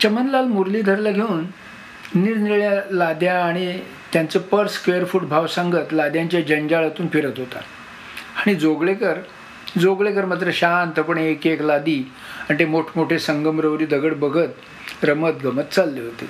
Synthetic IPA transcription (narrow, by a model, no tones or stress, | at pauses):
t͡ɕəmənlalmuɾliːd̪ʱəɾlaɡʱeuːnː | iɾniɭjalad̪jaːɽ̃i | t̪jant͡səpəɾskʋeəɾfuːʈbʱaʋsaŋɡət̪lad̪jãɲt͡ɕjad͡ʑəɲd͡ʑaɭat̪uːnfiɾət̪ɦot̪a̰ | aɽ̃id͡zoɡɭekəɾ | d͡zoɡɭek̬əɾmat̪̬ɾəɕant̪əpəɳeːkeklad̪iː | aɳt̪emoʈʰmoʈʰesəŋɡəmɾəʋɾiːd̪əɡəɽbəɡʱət̪ | ɾəmət̪̚ɡəmət̪t͡salːeɦot̪e